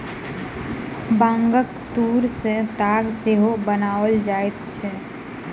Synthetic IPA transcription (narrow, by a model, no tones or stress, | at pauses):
bãːŋɡəkt̪uːɾsẽt̪aːɡseɦobənaːəld͡ʒaːet̪t͡ʃʰɛ